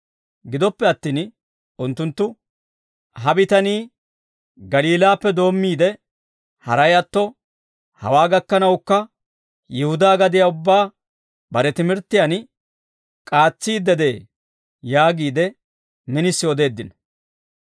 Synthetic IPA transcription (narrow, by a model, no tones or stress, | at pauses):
ɡɪd̪ɔpːɛɐt̪ːiːn | ʊnt̪ːʊnt̪ːʊ | ɦɐbɪt̪ɐniː | ɡɐliːlaːpːɛd̪o̞ːmːiːd̪ɛ | hɐ̰ɾɐjɐt̪ːɔ | hɐ̰waːɡɐkːɐnɐwkːɐ | jɛhʊd̪aːɡɐd̪ɪjaːʊbːaː | bɐɾɛt̪ɪmɪɾt̪ːɪjan | kʼaːt͡sːiːd̪ɛd̪e̞ː | jaːɡiːd̪ɛ | mɪnɪsːɪɔd̪e̞ːd̪ːɪnɐ